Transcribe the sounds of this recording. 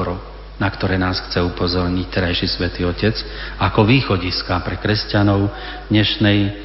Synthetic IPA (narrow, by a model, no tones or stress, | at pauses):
ɾɔ | nakt̪ɔɾɛːnaːsxt͡sɛupɔzɔɾɲict̪ɛɾajʃisʋɛt̪iːɔcɛt͡s | akɔʋiːxɔɟiskapɾɛkɾɛscanɔʊ | d̪ɲɛʃnɛj